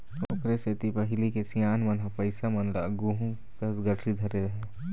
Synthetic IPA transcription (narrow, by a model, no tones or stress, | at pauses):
toːkɾeset̪ipɐɦɪlikesijaːnmɐnɦɐpɐɪsamɐnla̰ːɡuːɦũ | kɐsɡɐʈʰɾid̪ʱɐɾeɾɐɦe